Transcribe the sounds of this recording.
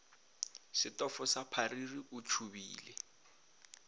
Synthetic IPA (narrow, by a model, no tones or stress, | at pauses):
sɪtʼɔfɔsapʰaririʊt͡ʃʰubiːlɛ